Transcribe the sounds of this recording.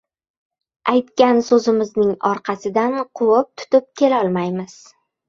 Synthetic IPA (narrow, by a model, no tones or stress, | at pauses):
ajt̪kʲansɵzɪmɪznɪŋɒɾqʰɑsɪd̪anqʰʊwɪp̚t̪ʰʊ̥t̪ɪp̚kʲʰe̞laɒlˠmajmɪz̥